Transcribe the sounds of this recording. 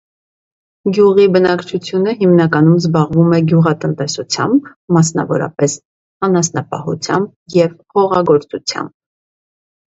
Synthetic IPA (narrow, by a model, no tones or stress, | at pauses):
ɡjuʁibənɑkt͡ʃʰut͡sʰjunəɦimnɑkɑnumzbɑʁvumɛɡjuʁɑt̪ənt̪ɛsut͡sʰjɑ̰mbː | ɑsnɑ̰vɔ̰ɾɑ̰pɛs | ɑnɑsnɑpɑ̰hṵt͡sʰjɑmb | jɛvhɔʁɑɡɔɾt͡sut͡sʰjɑ̰mb̚